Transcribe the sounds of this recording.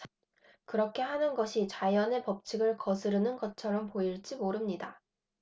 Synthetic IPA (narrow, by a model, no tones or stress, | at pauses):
kɯɾʌkʰe̞ɦanɯnɡʌɕʰit͡ɕajʌne̞pʌp̚t͡ɕʰiɡɯɭkʌsʰɯɾɯnɯnɡʌt͡ɕʰʌɾʌmpoiɭt͡ɕ͈imoɾɯmɲida